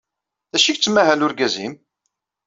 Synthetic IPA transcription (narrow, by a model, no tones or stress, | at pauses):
ðæʃiçt͡sːmæɦælʊɾɡæzim